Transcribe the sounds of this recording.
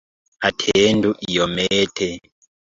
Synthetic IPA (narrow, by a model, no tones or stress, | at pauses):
atʰenduʔijɔmɛːtʰɛ